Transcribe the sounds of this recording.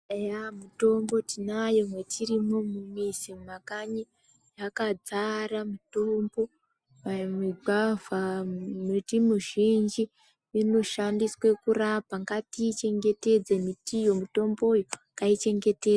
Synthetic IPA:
ejamuto̞mbo̞tinajo̞mwetirimo̞mumisimakaɲi | jakad͡zaramuto̞mbo̞ | amiɡ͡bavamitimuʒind͡ʒi | ino̞ʃandiswe̞kurapaŋɡatiːt͡ʃe̞ŋɡe̞te̞d͡zemitijo̞muto̞mbo̞jo | kait͡ʃe̞ŋɡe̞te̞a

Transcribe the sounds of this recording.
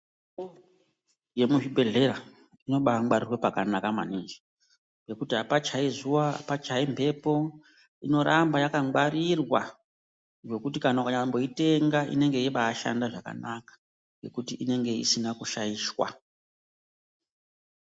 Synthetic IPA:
je̞muʐibʱe̞ɮe̞ɾa | ino̞ɓaŋɡ͡baɾirwepakanakama̰nind͡ʒe̥ | be̞kutiapat͡ʃaizuwa̰pat͡ʃaimbʱe̞po̞ | ino̞ɾambajakaaɾirwa̰ | ʐo̞kutikanakaɲambo̞ite̞ŋɡaʔḭne̞ŋɡe̞iɓaːʃa̰ndaʐaka̰nakḁ | ŋɡe̞kutiʔine̞ŋɡe̞ḭsinakuʃaiːʃwa̰

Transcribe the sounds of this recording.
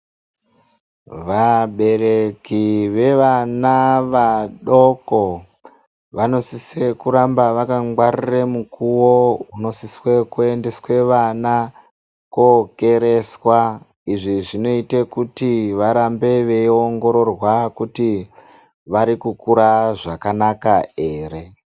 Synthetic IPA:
ʋaɓe̞ɾe̞kiʋe̞ʋanaʋaɗo̞ko | ʋano̞sisekuɾambaʋakaŋɡwariremukuwo̞uno̞siswekue̞ndeswe̞ʋana | koke̞ɾe̞swa | iʐiʐino̞itekutiʋaɾambe̞ʋe̞io̞ŋɡo̞ɾo̞rwakuti | ʋaɾikukuɾaʐakanakae̞ːre̞

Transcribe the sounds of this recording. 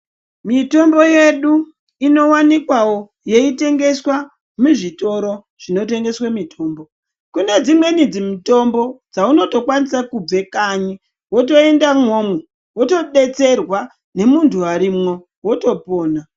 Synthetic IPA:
mito̞mbo̞je̞ɗu | ino̞wanikwawo | je̞ite̞ŋɡe̞swa | muʐito̞ɾo̞ | ʐ̥ino̞te̞ŋɡe̞swamitʰo̞ːmbo̞ | kune̞d͡zimwe̞nid͡zimito̞mbo̞d͡zauno̞to̞kwanisakub͡ve̞kaɲi | wo̞to̞e̞ndamomwo | woto̞ɗe̞t͡se̞rwa | ne̞muntʰuaɾimŋo̞ | woto̞po̞ːna

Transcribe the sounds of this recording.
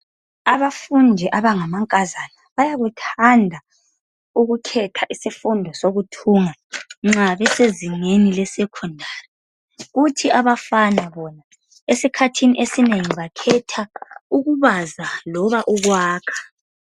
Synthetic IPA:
aβafundʱɛʔaβaŋamaŋkʼazanaβajaɣutʰandʱa | uɣukʰɛtʰaʔisifundʱɔsoɣutʰuŋaŋ͡ǁaβɛseziŋenilɛsɛkʰundʱaːrɛ | ɣutʰiaβafanaβɔna | esikʰatʰiniʔesineŋiβakʰɛtʰauɣuβazalɔβaʔuɣwaːkʰḁ

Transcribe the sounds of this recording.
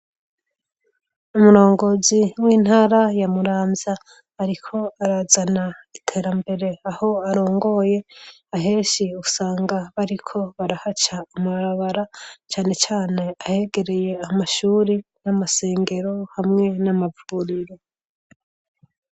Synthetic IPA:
umuɾo̞ːŋɡo̞ziwiːn̥haːɾajamuɾaːmzaː | ɾikʰo̞aɾazanaitʰe̞ːɾambe̞ɾe̞aho̞aɾo̞ːŋɡo̞je̞aɦe̞ːʃiusaːŋɡaβaɾikʰo̞βaɾahat͡ʃaːmuβaɾaβaɾat͡ʃaːne̞t͡ʃaːne̞ahe̞ɡe̞ɾe̞je̞amaʃuːɾinamase̞ːŋɡe̞ɾo̞hamŋe̞namavuɾiɾe

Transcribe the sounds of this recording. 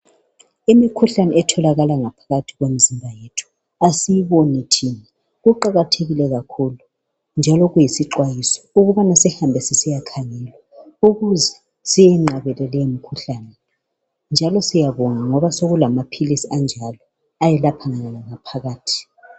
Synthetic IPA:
imikʰuɬanɛɛtʰɔlaɣalaŋapʰḁɣatʰiɣwem̩zimbʱajetʰu̥ | asijiβonɛtʰinɛ | ɣuǃaɣatʰeɣilɛɣakʰulu | nd͡ʒʱalɔɣujisiǃwajisɔ̥uɣuβanasɛhambʱɛsisijakʰaŋɛlwauɣuzɛ | sijɛŋ͡ǁaβɛlɛlɛjemikʰuɬaːnɛ | nd͡ʒʱalɔsijaβɔŋaŋɔβasoɣulamapʰilisiand͡ʒʱalɔ | ajɛlapʰaŋaɣalaŋapʰaɣaːtʰi̥

